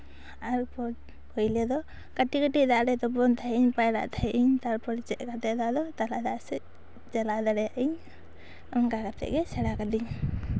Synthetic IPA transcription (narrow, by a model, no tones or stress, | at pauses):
aɾpɔ | kɔjlɛd̪ɔ | kaʈikəʈid̪aʔɾɛt̪ɔbɔnt̪ʰaɛiɲpajɾa̰ʔt̪ʰaɛʔiɲt̪aɾpɔɾt͡ʃɛʔ̚kat̪ɛʔd̪aʔd̪ɔt̪alad̪aʔsɛ | d͡ʒalad̪aɽɛjaʔiɲ | ɔmkakat̪ɛ̰ʔɡɛsɛɽakad̪iɲ